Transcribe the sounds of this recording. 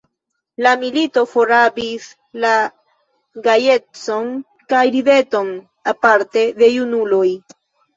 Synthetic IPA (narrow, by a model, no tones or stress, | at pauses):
lamilito̞foɾabis | la | ɡaje̞t͡so̞n | kajɾive̞to̞n | apaɾte̞de̞junulo̞j